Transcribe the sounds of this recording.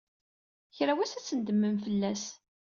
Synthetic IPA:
çɾæwæsæt͡sːənd̪əmːəmfəlːæs

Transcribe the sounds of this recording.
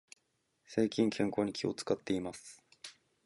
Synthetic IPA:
se̞ːkʲĩŋkʰẽŋko̞ːɲ̟ikʲʰio̞t͡sɨ̥kat̪ːe̞imasɨ̥

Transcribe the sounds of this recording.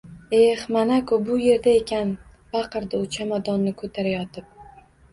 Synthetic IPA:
e̞hmanakobʊje̞ɾd̪ae̞kʲʰan | bɑqʰɨɾd̪aʊt͡ʃʰamad̪ɒnːɪkʰot̪ʰaɾajɒt̪ʰɪp̚

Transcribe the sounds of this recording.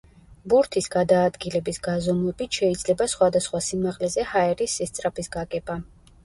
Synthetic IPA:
buɾt̪ʰisɡad̪aːd̪ɡilɛbisɡazɔmuɛbit̪ʰʃɛid̪zlɛbasχwad̪asχwasimaʁlɛzɛhaɛɾisːɛst̪sʼɾapʰisɡakʼɛba

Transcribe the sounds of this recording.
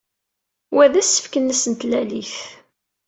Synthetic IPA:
wæðæsːə̥fkənːæsənt̪læliθ

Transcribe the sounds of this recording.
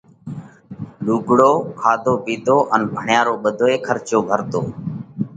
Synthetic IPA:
luːɡɽoːkʰaːd̪ʱoːɓiːd̪ʱoːʔənbʱəɳjaːɾoːɓəd̪ʱoːeːkʰəɾt͡ʃoːbʱəɾt̪oː

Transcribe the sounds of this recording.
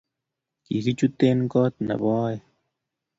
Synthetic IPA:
kḭzit͡ɕut̪ːeːnkɔːt̪̚nɐ̰bɔːj

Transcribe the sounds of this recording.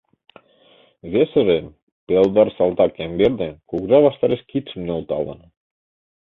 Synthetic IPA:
βesə̆ɾe | pelˠd̪ɑrsɑlˠt̪ɑkembeɾd̪ekukʒɑβɑʃt̪ɑɾeʃkit̪ʃə̆mneolˠt̪ɑ̰lə̰n

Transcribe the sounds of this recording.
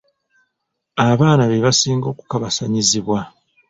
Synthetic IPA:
aβaːnaβeβasiːŋɡo̞ːku̥kaβasaɲiziβwa

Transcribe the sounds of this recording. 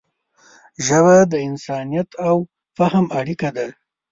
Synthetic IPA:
ʒəβad̪əɪnsɑnijat̪aw | fahəmaɽikad̪a

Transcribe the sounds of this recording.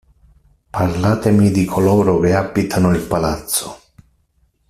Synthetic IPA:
parlaːt̪emid̪ikʰolɔːɾʊkeabit̪ʰanʊilpalat̪sːʊ̥

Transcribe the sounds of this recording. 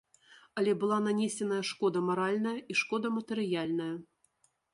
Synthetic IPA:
ɐlʲɛbɨlˠananʲesʲɛnɐjɐʂkɔd̪ɐmaɾalʲnɐjɐiʂkɔd̪ɐmɐt̪ɨɾɨjalʲnɐjɐ

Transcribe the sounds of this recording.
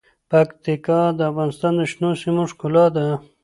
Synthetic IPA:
pakt̪ikɑd̪əafɣɑnɪst̪ɑnd̪əʃnosimoʂkulɑd̪a

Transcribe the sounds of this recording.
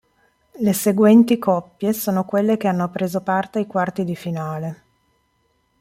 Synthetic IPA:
leseɡwɛnt̪ikʰɔpːjesoːnokwelːek̟eanːopɾeːzopart̪eajkwart̪id̪ifinaːle

